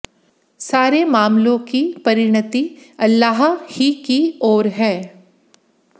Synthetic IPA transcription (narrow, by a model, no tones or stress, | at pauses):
saːɾemaːmlõkipɐɾɪɽ̃ət̪iɐlːaːɦhikiɔːɾɦɛː